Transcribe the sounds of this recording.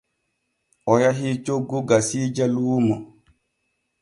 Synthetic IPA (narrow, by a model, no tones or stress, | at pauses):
ʔɔjaɦit͡ʃoɡːuɡasiːd͡ʒaluːmɔ